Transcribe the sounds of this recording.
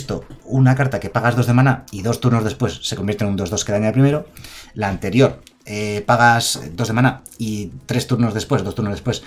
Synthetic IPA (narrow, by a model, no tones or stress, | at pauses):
st̪o̞unakaɾt̪ake̞paɣazðo̞zðemanaiðo̞st̪uɾno̞zðe̞spwe̞sːe̞kombjeɾt̪enund̪o̞zðo̞ske̞ðaɲaðepɾime̞ɾolaːnt̪e̞ɾjo̞ɾ | epaɣ̞asd̪o̞zðemãna | it̪ɾe̞st̪uɾno̞zðe̞spwe̞zðot̪uɾnoðespwe̞s